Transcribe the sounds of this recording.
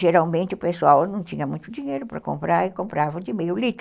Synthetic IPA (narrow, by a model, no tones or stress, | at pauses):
ʒeɾawmẽnt̪ɪʊpeswawnɐ̃t̪ĩɲɐmũj̃t̪ʊd̪iɲejɾʊpɾɐ̰kõ̰mpɾaɾɪkõmpɾavɐ̃d̪ɪmejʊlit̪